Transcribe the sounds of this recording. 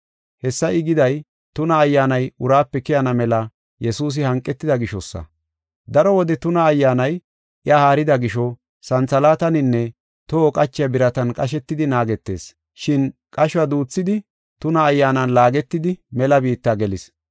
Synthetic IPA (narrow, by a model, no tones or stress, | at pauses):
hɛsːɐʔɪɡɪd̪ɐj | t̪ʊnɐːjːaːnɐjʊɾaːpːɛkɪjɐnɐmɛlɐ | jɛsuːs̬ɪhɐŋkʼːɛt̪ːɪd̪ɐɡɪʃɔsːɐ̰ | d̪ɐɾɔwɔd̪ɛt̪ʊnɐːjːaːnɐj | ʔɪahaːɾɪd̪ɐɡɪʃɔ | sɐnt͡sɐlaːt̪ɐnɪnːɛ | t̪oːkʼɐt͡ʃːɪjɐbɪɾɐt̪ɐnkʼɐʃ̬ɛt̪ːɪd̪ɪnaːɡɛt̪ːe̞̰ːs | ʃɪnkʼɐʃwɐd̪uːt͡sːɪd̪ɪ | t̪ʊnɐːjːaːnɐnlaːɡɛt̪ːɪd̪ɪmɛlɐbiːt̪ːaːɡɛlɪs